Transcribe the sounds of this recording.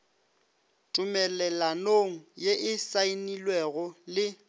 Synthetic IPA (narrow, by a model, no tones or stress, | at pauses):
tʼʊmɛlɛlanoŋ̩jeʔɪsainilwɛɣɔlɪ